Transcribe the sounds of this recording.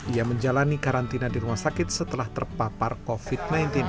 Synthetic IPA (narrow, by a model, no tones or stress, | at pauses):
iaməɲd͡ʒalanikaɾant̪inadiɾumahsakɪt̪̚sət̪əlaht̪ərpaparkofid̚najnt̪ɪn